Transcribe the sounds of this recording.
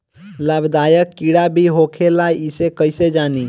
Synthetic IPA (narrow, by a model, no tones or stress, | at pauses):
ləbd̪aːjəkːiɽabʱiɦokʰelaisekəɪsed͡ʒaːni